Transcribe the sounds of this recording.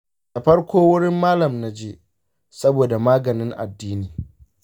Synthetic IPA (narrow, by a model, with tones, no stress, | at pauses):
dɐ˨ɸɐ˦rkʷoː˦wʊ˦ɽɪ˦mːaː˦lɐ˨mna˦d͡ʒeː˦ | sɐ˦boː˨da˨maː˦ɡɐ˨nɪ˦ŋʔa̰˨dːiː˦niː˨